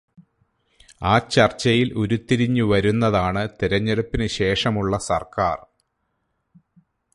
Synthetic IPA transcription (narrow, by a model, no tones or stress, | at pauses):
aːt͡ɕɐrt͡ɕːɐjilʔoɾut̪ːiɾiɲːuʋɐɾunːɐðaːɳɨt̪iɾɐɲːeɽupːinɨɕe̞ːʂɐmuɭːɐsɐ̰rkaːr